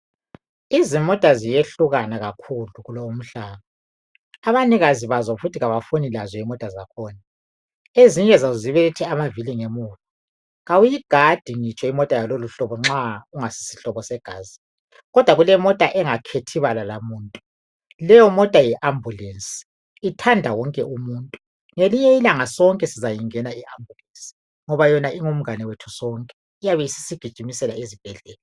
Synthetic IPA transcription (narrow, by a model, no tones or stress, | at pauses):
izimɔtʼazijeɬuɣanaɣakʰuluɣulowum̩ɬaːβaː | βaniɣaziβazɔfutʰiɣaβafonilazɔimɔtʼazakʰɔːna | eziɲʼɛzaziβɛtʰɛamaviliŋemuːtʼu | ɣawujiɡ̥ʱad̥ʱiŋit͡ʃʼɔimɔtʼajaloluɬɔβɔŋ͡ǁauŋasi̥si̥ɬɔβɔsɛɡ̥ʱaːzi̥ | ɣɔd̥ʱwaɣulɛmɔtʼaʔɛŋakʰetʰiβalalamuːntʼu | lɛjɔmɔtʼajɛʔambʱulensʼi̥ː | tʰandʱawɔŋkʼɛʔumuːntʼu | ŋeliɲɛilaŋasɔŋkʼɛsizajiŋɛnaiʔambʱulensi̥ | ŋɔβajɔnaʔiŋum̩ɡanɛwetʰu̥sɔŋkʼɛ | ijaβɛisi̥siɡ̥ʱid̥ʒ̥ʱimisɛlaezib̥ʱɛɮɛːlɔ